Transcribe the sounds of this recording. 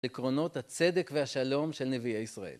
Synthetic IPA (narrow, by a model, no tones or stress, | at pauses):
likʁo̞no̞t̪hat͡se̞d̪ekveaʃalo̞mʃe̞lneviejisʁaʔe̞̰l